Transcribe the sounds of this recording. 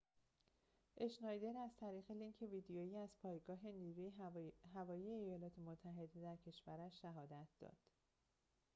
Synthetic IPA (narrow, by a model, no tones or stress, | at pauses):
ʔe̞ʃnɒjd̪e̞ɾæz̥t̪ʰæɾiːɣeliŋcʰeviːd̪ejojiːæz̥pʰɒːjeɡɒːɦe̞niːɾujeɦævɒːjiːeːjɒːlɒːt̪ʰe̞mot̪ʰːæɦe̞d̪e̞d̪æɾcʰe̞ʃvæɾæʃʃæɦɒːd̪æt̪ʰd̪̥ɒ̰ːd̪̥